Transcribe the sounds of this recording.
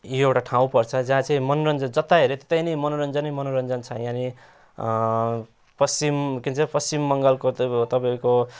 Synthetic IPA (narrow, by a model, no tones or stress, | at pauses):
joewʈaʈʰãw̃pʌrt͡sʰʌd͡zãːt͡sãĩmʌnoɾʌnd͡zʌd͡zʌt̪ːaɦeɾet̪et̪ajnʌmʌnoɾʌnd͡zʌnimʌnoɾʌnd͡zʌnt͡sʰʌjãni | pʌst͡simkint͡sʰʌpʌsimːʌŋɡʌlkot̪ʌpaĩko